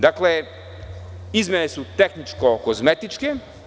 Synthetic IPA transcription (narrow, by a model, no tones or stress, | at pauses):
d̪akle | izmʲjenesut̪exnit͡ʃkokozmet̪it͡ʃke